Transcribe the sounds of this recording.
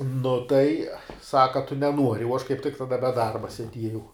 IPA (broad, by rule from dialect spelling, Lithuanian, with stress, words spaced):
ˈnʊ tɐɪ ˈsɑːkɐ ɐ tʊ nʲɛˈnuɔrʲɪ uɔ ɐʃ kɐɪp tʲɪk tɐˈdɐ bʲɛ ˈdɐrbɐ sʲɛˈdʲiɛjɛʊ